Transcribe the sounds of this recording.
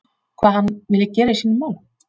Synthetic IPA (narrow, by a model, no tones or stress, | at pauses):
kʰvaːðhanːvɪlːɪcɛːɾaisiːnːmaːwl